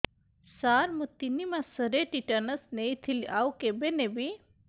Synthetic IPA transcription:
saːɾmə̃t̪inimãsəɾeʈiʈənəsneit̪ʰiliʔaːwkebenebi

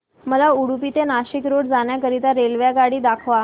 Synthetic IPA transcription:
məlauɽupit̪enaɕikɾoɽd͡zaɳjakəɾit̪aɾelʋjaɡaɽiːd̪akʰʋa

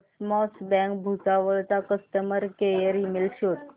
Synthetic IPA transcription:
smɔsbɛ̃ŋkbʱut͡saʋəɭt͡sakəst̪əməɾkejəɾimilɕot̪̚

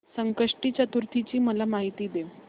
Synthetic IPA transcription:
səŋkəʂʈiːt͡ɕat̪uɾt̪ʰit͡ɕiːməlamaɦit̪iːd̪e

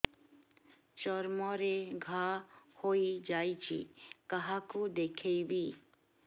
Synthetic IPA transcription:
t͡ʃɔɾmɔɾeɡʱahoid͡ʒajt͡ʃʰḭkaɦakud̪ekʰejbi

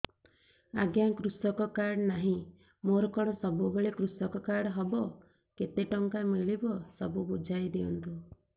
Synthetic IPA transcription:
aɡjaŋkɾusɔkɔkaɾɽnaɦĩ | moɾɔkɔɽ̃ɔsɔbubeɭekɾusɔkɔkaɽɦɔbɔ | ket̪eʈɔŋkamiɭibɔsɔbubud͡ʒʱajd̪iɔnt̪u

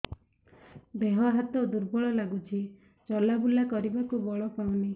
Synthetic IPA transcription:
beɦɔɦat̪ɔd̪uɾbɔɭɔlaɡut͡ʃʰi | t͡ʃɔlabulakɔɾibakubɔɭɔpaw̃ni

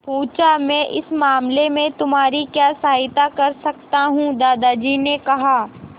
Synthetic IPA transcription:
pũːt͡ʃamɛ̃ːʔɪ̰smaːmlemẽt̪ʊmaːɾikjaːsaːɦɪt̪akɐɾsɐkt̪aɦũd̪aːd̪ad͡ʒiːnekɐɦaː

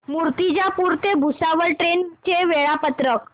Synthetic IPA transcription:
muɾt̪id͡ʑjapuɾt̪ebʱusaʋəɭʈɾent͡ɕeʋeɭapət̪ɾək

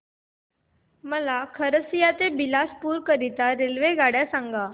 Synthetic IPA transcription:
məlakʰəɾəsijat̪ebilaspuːɾkəɾit̪aɾelʋeɡaɽjasãŋɡa

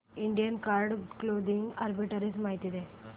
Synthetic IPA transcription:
iɳɖijənkaɾɖklod̪iŋɡaɾbiʈəɾismaɦit̪id̪e

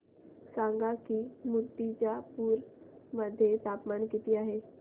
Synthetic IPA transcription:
saŋɡakiːmut̪ːit͡ɕjapuːɾməd̪ʱːjet̪apmaɳkit̪iːaɦe

